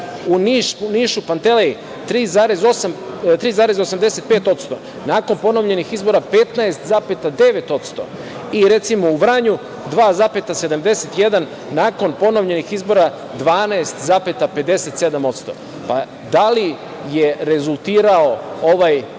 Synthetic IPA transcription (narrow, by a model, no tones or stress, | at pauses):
uniːʃuniːʃupant̪elei | t̪ɾiːzaːɾe̞zosam | t̪ɾiːzaːɾe̞zosamd̪e̞se̞t̪̚peːt̪o̞t̪st̪o̞̰ | naːko̞npo̞noʋʎe̞nixizbo̞ɾapet̪naest̪zapet̪ad̪e̞ʋe̞t̪o̞t̪st̪o̞̰ | iɾe̞t̪simo̞uʋɾaɲu | d̪ʋaːzape̞t̪ase̞d̪amd̪e̞set̪jed̪anː | aːko̞npo̞noʋʎe̞nixizbo̞ɾa | d̪ʋaːnaest̪zaːpet̪ape̞d̪e̞se̞t̪se̞d̪amo̞t̪st̪o̞̰ | pa | d̪ali | je̞ɾe̞zulˠt̪iːɾao̞o̞ʋaj